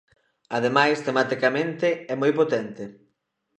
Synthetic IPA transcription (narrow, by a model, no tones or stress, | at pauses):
að̞emajst̪emat̪ikamẽnt̪ɪɛmojpot̪ɛnt̪ɪ